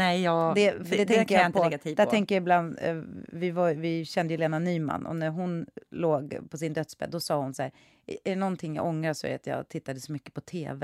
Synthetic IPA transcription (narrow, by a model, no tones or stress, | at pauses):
nɛjɑːd̪ɛfɖɛt̪ʰɛŋkːəjanpʰɔɡat̪ʰiːd̪ætʰɛŋkəjaɪbland̪vɪvavɪɕɛnd̪əjʉleːnanyːma̰nːʔɔ̰næɾɦʊnloːɡpʰɔsɪnd̪œt̪sbɛ̰d̪d̪ɔsɑːhʊnsaæːɾ | ɛɾɛnɔnt̪ʰɪŋjɑ̰ɡɔŋːɾasɔɛ̰a̰t̪jɑ̰t̪ʰɪt̪ːad̪əsɔmʏkːə̥pʰɔt̪ʰeːvɛ